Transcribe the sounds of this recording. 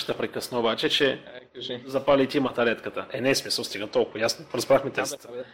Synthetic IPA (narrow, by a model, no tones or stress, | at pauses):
t̪əpɾɛkəsnəobat͡ʃɛt͡ʃɛ | zɐpalʲit̪ʲimɐt̪ɐlɛt̪kət̪əʔɛnɛsmisəlˠst̪iɡət̪ɔlˠkʊjasnoɾɐzbɾaxmit̪ɛst̪